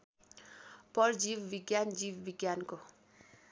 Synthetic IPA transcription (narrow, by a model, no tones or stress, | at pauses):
pʌrd͡ʒibbiɡjand͡ʒiwbiɡjanko